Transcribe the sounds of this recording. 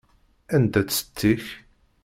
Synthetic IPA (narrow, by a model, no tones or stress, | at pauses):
ænd̪æt͡sːə̥t̪ːiç